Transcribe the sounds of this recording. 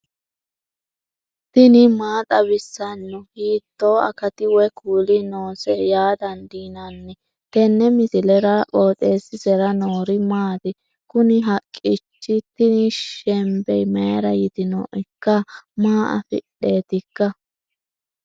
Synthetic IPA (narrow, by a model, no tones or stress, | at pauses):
t̪ɪnɪmaːt̪ʼɐβɪsːɐnːʊhiːt̪ːoːɐ̰kɐt̪ɪwɛkuːlɪnoːsɛjaːd̪ɐnd̪iːnanːɛ | t̪ɛnːɛmɪsɪlɛɾɐʔʼo̞ːt̪ʼeːsɪsɛɾɐnoːɾɪmaːt̪ɪ | kʊnɪɦɐkʼːɪt͡ʃːɪt̪ɪnɪʃɛmbɛjmeɾɐjɪt̪ɪno̰ːʔɛkːɐmaːʔɐ̰fɪ̰ɗe̞ːt̪ɪkːɐ